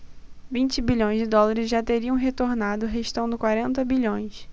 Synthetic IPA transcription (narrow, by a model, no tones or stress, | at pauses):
vĩnt͡ʃɪbiʎõj̃zd͡ʒɪd̪ɔlaɾɪzʒat̪eɾiɐ̃w̃ɦet̪oɾnad̪ʊɦeʃt̪ɐ̃w̃d̪ɪkwaɾẽnt̪ɐbiʎõj̃s